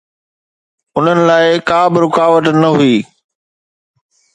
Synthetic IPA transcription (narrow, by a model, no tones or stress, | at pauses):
ʊn̤ənɪ̆laːɪkaːbɪɾʊkaːʋət̪nɐɦuiː